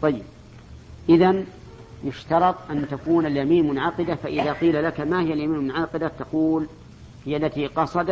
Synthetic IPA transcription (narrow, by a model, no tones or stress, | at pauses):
t̪ˤɑjːɪb̚ | ʔɪðan | jʊʃt̪ɑɾˤɑt̪ˤʔant̪akuːnaljamiːnmʊnʕɑqɪd̪afaʔɪðaqiːlalakamahɪjːaljamiːnmʊnʕɑqɪd̪at̪ɑquːl | hɪjːalːat̪iːqɑsˤɑd̪